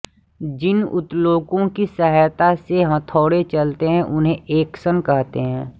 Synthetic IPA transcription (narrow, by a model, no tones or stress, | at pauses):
d͡ʒɪnʊ̰t̪loːkõkisəɦəjt̪aseɦɐ̃t̪ʰoːɽet͡ʃɐlt̪eɦɛ̃ʔʊnɦẽʔeːksənkɐɦt̪eɦɛ̃ː